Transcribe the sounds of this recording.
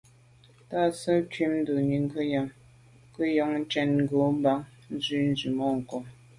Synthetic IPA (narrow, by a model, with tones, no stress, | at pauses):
ta˦˨sə˦tɥi˦mn̩˦də˨ɲi˨ŋ˦ɡə˦ja˨ŋ | kə˦jɔ˨˦ŋn̩˦t͡ʃɛ˦nŋ̩˦ɡo˨˦m˦ba˦ŋ | n̩˦zi˦n̩˦zi˨mɔ˦˨ŋ̩˨kɔ˨m